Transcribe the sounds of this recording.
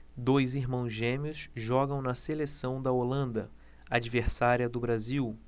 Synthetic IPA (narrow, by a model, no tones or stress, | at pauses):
d̪ojziɦmɐ̃w̃zʒẽmiʊsʒɔɡɐ̃w̃nɐselesɐ̃w̃d̪ɐolɐ̃nd̪ɐ | ad͡ʒiveɾsaɾiɐd̪ʊbɾaziw